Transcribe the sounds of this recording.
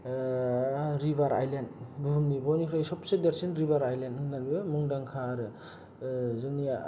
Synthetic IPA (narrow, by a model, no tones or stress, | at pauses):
ɾiβaɾa̰jlendbumnibɔnikʰɾajsɔp̚sedeɾsinɾibaɾajlentɯnalimuŋdaŋkʰaɾɯ | zɯnia